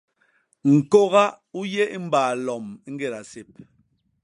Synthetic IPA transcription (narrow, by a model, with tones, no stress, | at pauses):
ŋ̩˨ko˦ɣa˦ | u˦jɛ˦i˦m̩˦baː˨lɔ˨m˦ŋ̩˦ɡe˦˨ɾa˨se˨p̚